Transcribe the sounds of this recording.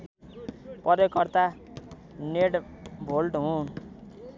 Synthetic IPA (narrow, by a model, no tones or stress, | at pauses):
pʌɾjʌkʌrt̪a | neʈbʱolʈɦũn